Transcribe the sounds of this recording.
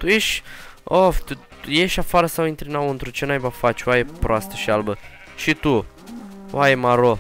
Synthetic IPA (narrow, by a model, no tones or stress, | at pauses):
t̪uje̞ʃʲoft̪u | je̞ʃʲafaɾəsawint̪ɾinawɨnt̪ɾut͡ʃenajbafat͡ʃʲwajepɾoast̪ə̥ʃialbə | ʃit̪u | wajemaɾo